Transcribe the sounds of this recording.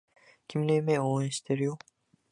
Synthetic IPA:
cʲʰimlemeoniʃt̪ʰeɾijo

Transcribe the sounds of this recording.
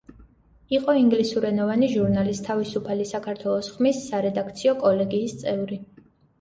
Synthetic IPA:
iqʼɔiŋɡlisuɾɛnɔvaniʒuɾnalist̪ʰavisupʰalisakʰaɾt̪ʰwɛlˠɔsχmisːaɾɛd̪ak̚t̪sʰiɔkʼɔlɛɡiːst̪sʼɛvɾi

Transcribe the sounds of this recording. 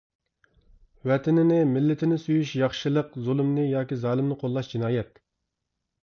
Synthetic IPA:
wɛt̪ʰɪnɪnɪmɪlːɪt̪ʰɪnɪsyjyʃjɑχʃɨlˠəqzulˠmnɨjɑːkʲizɑːlˠɨmnɨqʰolˠːɑʃd͡ʒinɑːjɛt̪

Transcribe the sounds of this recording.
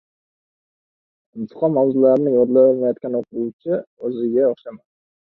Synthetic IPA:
ɪmt̪ʰɨ̥qʰɒnmawzʊlˠaɾɪnɪŋwɒd̪lˠaolˠmajɒt̪̚kʲanoqʰut͡ʃʰɪɵzɪɡʲaoχʃaman

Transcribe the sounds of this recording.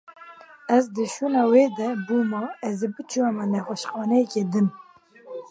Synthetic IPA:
ɛzd̪əʃuːnɑːweːd̪ɛbuːmɑɛzebɨt͡ʃʰuwɛmɛnɛxʷɛʃχɑːnɛjɛkeːd̪ɨn

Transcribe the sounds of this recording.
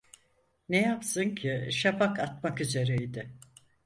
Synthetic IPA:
nejapsɯncʰɪʃapʰakat̪makyze̞ɾejd̪ɪ

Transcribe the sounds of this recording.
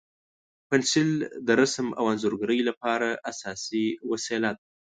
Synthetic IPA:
pɪnsɪld̪əɾasma̰wanzoɾɡaɾəjlapɑɾaʔasɑsiwaselat̪̚

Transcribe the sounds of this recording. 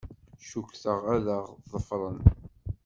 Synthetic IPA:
ʃukθəʁæðəʁðˤəfɾˤən

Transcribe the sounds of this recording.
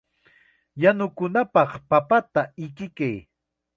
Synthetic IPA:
janʊkʊnapɑχpapat̪aɪkɪkaj

